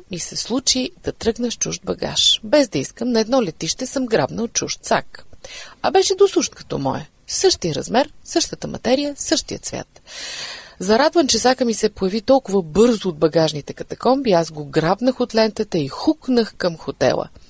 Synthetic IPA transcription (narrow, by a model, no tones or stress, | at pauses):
misɛslˠut͡ʃid̪̥ɐt̪ɾɤɡnəʃt͡ʃuʒd̪̚bɐɡa̰ʃbɛzd̪ɐiskəmnɐɛd̪nɔlɛt̪iʃt̪ɛsɤmɡɾabnəot̪̚t͡ʃuʃt̪sa̰k | ɐbɛʃɛd̪osuʃt̪kɐ̥t̪ɔ̰mɔ̰jɛ | sɤʃt̪ijəɾɐ̰zmɛɾsɤʃt̪ət̪əmʔɐ̰t̪ɛɾijəsɤʃt̪ijət̪svʲja̰t̪ | zɐɾad̪vənt͡ʃɛsakəmisɛpojɐvit̪ɔlˠkʊvəbɤɾzʊːd̪̚bɐɡaʒnit̪ɛkɐt̪ɐkɔmbiazɡoɡɾabnəxot̪lɛnt̪ət̪ɐixuknəxkəmxot̪ɛ̰lˠə̰